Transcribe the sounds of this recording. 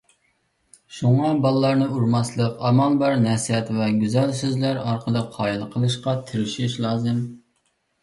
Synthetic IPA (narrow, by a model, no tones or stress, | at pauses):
ʃuŋɑbɑlˠlˠɑɾnɨuɾmɑslˠəqɑmɑlˠbɑɾnɛsiɛt̪vɛɡʲyzɛlsøzlæɾɑɾqʰəlˠɨqʰɑːjilˠqʰəlˠɨʃqɑt̪ʰɪɾɪʃiʃlˠɑːzɨm